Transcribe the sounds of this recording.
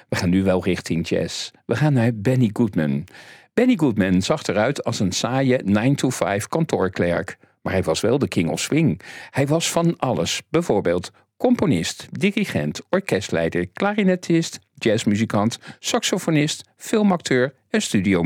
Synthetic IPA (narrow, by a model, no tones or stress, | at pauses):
ʋəχaːnːyʋɛlˠrɪχtɪŋd͡ʒɛ̰sʋəχaːnːaːɹbɛniɡutmənb̥ɛniɡutmənzɑχtəɾœɥtʰɑlˠsənsaːjənɑjntʰufajfkɑntʊːɹklɛ̰ɹk | ma̰ːɹɦɛjʋɑsʋɛlˠdəkʰɪŋɔ̰fswɪŋhɛjʋɑsfɑnʔɑlə̰sbɛjvʊːɹbeːlˠt | kɔmponɪstdiriχɛ̰ntɔɹkɛstlɛ̰jdəɹklaːrinɛtʰɪst | d͡ʒɛsmyzikɑntsɑksofonɪst | fɪlˠmɑk̚tʰøːɹ | ɛnstydio